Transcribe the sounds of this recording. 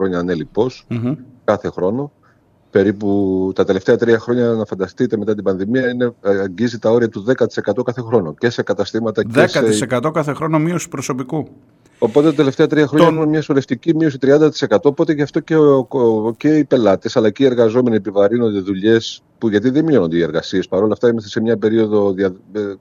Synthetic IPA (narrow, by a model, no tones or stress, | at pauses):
xɾo̞ɲɐːne̞lipo̞skɐθe̞xɾo̞no̞ | pe̞ɾiput̪ɐt̪e̞le̞ft̪eɐt̪ɾiɐxɾo̞ɲɐnɐfɐnd̪ɐst̪it̪e̞met̪ɐt̪ibɐnðimiɐine̞ɐɲɟizit̪ɐo̞ɾiɐt̪uðe̞kɐt̪i̥se̞kɐt̪o̞kɐθe̞xɾo̞noce̞se̞kɐt̪ɐst̪imɐt̪ɐðesɐesekɐt̪okɐθexɾo̞nomiosi̥pɾoso̞piku | o̞po̞t̪et̪ɐt̪ele̞ft̪e̞ɐt̪ɾiɐxɾoɲɐxunemɲɐso̞ɾe̞ft̪icimio̞s̬it̪ɾiɐnd̪ɐt̪i̥se̞kɐt̪o̞ːpo̞t̪eʝɐft̪o̞ceoce̞ipe̞lɐt̪e̞sɐlɐceie̞ɾɣɐzo̞me̞nie̞pivɐɾino̞nd̪e̞ðuʎe̞s | puʝɐt̪̬iðemio̞nond̪ie̞ɾɣɐsie̞spɐɾo̞lɐːft̪ɐimɐst̪e̞semɲɐpe̞ɾio̞ðo̞ðiɐ